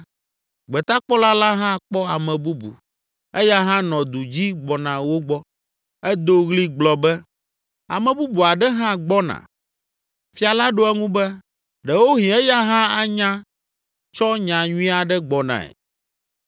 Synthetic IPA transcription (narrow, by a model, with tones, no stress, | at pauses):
ɡ͡bɛ˨t̪a˦k͡pɔ˦la˦la˦ɦã˦k͡pɔ˦a˨mɛ̃˨bu˦bṵ˨ | ɛ˦ja˦ɦã˦nɔ̃˨d̪u˨d͡ʑi˦ɡ͡bɔ˨nã˨wo˦ɡ͡bɔ˦ | ɛ˦d̪o˦ɣli˦ɡ͡blɔ˨bɛ˦ | a̰˨mɛ̃˨bu˦bu˨a˨ɖɛ˦ɦã˦ɡ͡bɔ˦nã̰˨ | fi˨a˨la˦ɖo˦ɛ˦ŋũ˦bɛ˦ | ɖɛ˨wo˦ɦĩ˨ɛ˦ja˦ɦã˦a˦ɲã˦ | t͡ʃɔ˦ɲã˨ɲũ˦ĩ˦a˨ɖɛ˦ɡ͡bɔ˨nã̰˨ɛ̰˨